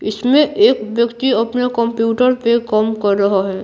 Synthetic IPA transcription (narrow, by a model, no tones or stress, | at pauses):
ɪsmẽʔeːkʋjəkt̪iɐpnekə̃mpjuːʈəɾpekɐmkɐɾːɐɦaɦɛː